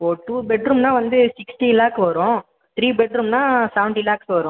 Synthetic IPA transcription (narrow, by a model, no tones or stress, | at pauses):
poːʈuːbɛɖɾumnãːʋɐnd̪ɯsɪksʈiɪlaːkʋɐɾʊ̃ | t̪ɾiːbɛɖɾumnãːsɐʋɳʈiɪlaːksʋɐɾʊ̃